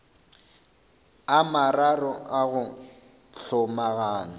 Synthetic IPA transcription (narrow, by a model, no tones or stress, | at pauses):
amararɔʔaɣʊ | ɬɔmaɣaːnɔ